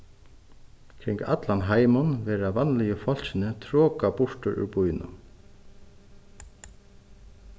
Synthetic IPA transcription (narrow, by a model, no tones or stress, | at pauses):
kʰɾɪŋka̰t̪lanɦaːjmʊnvɛːɾavanlɪjɪfɔl̥sɪnɪt̪ʰɾɔːkapʊɹ̥t̪ʊɾʏ̰ɾpujnʏ̰